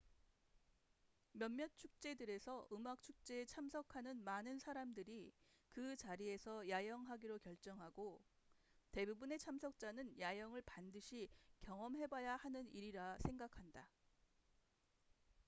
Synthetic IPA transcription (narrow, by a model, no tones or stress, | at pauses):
mjʌnmjʌt̚t͡ɕʰuk̚t͡ɕ͈e̞dɯɾe̞sʰʌʔɯmak̚t͡ɕʰuk̚t͡ɕ͈e̞ːt͡ɕʰamsʰʌkʰanɯnmanɯnsʰaɾamdɯɾikɯt͡ɕaɾie̞sʰʌjajʌŋɦaɡiɾokjʌɭt͡ɕ͈ʌŋɦaɡo | te̞bubune̞t͡ɕʰamsʰʌk̚t͡ɕ͈anɯnjajʌŋɯɭpandɯɕʰikjʌŋʌmɦe̞bajahanɯniɾiɾasʰe̞ŋɡakʰanda